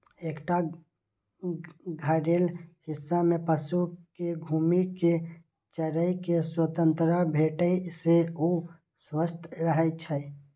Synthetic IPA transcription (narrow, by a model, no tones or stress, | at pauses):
eːkʈa | ɡʱəɾeːlhɪsːamẽpəʃukeɡʱuːmike | t͡ʃəɾəjkeswət̪ə̃nt̪ɾəbʱeːʈəiseu | swəst̪ʰɾəɦət͡ʃʰɛ